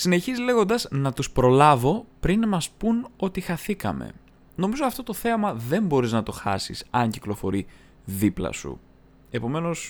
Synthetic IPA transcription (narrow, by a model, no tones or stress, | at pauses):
sine̞çizle̞ɣo̞nd̪ɐznɐt̪uspɾo̞lɐvo̞pɾinmɐspuno̞t̪ixɐθikɐ̰me̞̰ | no̞mizo̞ɐft̪o̞t̪o̞θe̞ɐmɐðe̞mbo̞ɾiznɐt̪o̞xɐ̰sḭsɐɲciklo̞fo̞ɾi | ðiplɐ̰sṵ | e̞po̞me̞no̞s